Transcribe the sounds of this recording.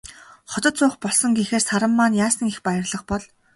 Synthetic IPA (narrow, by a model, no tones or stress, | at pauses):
χɔt̪ɞ̆t̪t͡sʊːχpɔɮsɞ̆ŋɡixeːrsaɾə̆mːaːnjaːsə̆ŋixpajɪ̆rɮə̆χpɔɮ